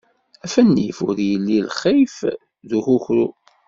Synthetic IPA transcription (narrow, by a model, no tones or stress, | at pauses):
æfænːḭfʊɾjəlːilχif | ðuxuçɾu